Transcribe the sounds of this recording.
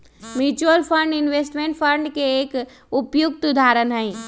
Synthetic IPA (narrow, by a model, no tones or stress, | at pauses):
mjuːt͡ɕuəlfʰəɳɖɪnʋeːsʈmẽːɳʈfʰə̃ɾɳɖkʰeːk | ʊpjʊk̚t̪ʊd̪ʱaːɾənɦaɦĩː